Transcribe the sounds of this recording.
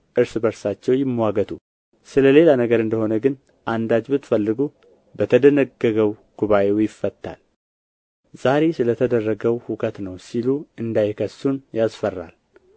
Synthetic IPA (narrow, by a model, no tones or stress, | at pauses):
ʔɨɾsɨbəɾsat͡ʃːɛwjɪmːwaɡət̪ʰu | sɨləle̞lanəɡəɾɨnd̪əho̞nəɡɨn | ʔand̪ad͡ʒbɨt̪fəlːɨɡu | bət̪ʰəd̪ənəɡːəɡəwɡ̥uβaʔe̞wjɪfːət̪ːa̰l | z̥aɾe̞sɨlət̪ʰəd̪ərːəɡəwhukʰət̪nəwsiluɨnd̪ajkʰəsːunjasfərːa̰l